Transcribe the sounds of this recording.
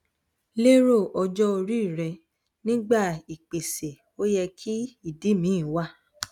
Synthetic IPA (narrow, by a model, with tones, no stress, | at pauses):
le˦ɾo˦˨ɔ˧d͡ʒɔ˦o˧ɾi˦˨ɾɛ˧ | nĩ˦ɡ͡ba˦˨i˨k͡pe˨se˨ | o˦jɛ˧kʰi˦i˦˨di˨˦mĩ˨˦˨wa˦˨